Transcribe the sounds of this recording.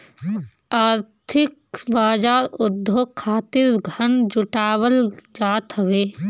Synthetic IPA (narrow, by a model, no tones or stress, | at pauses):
aːɾt̪ʰɪkbaːd͡ʒaːɾʊd̪ʱokʰːaːt̪ɪɾɡʱɐnd͡ʒʊʈaːwəld͡ʒaːt̪ɦɐʋeː